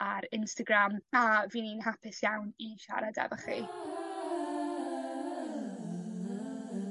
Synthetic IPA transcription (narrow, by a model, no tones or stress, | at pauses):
aɾɪnstaɡramaviːninɦapʰɪsjawniʃa̰ɾadɛ̰bəχḭ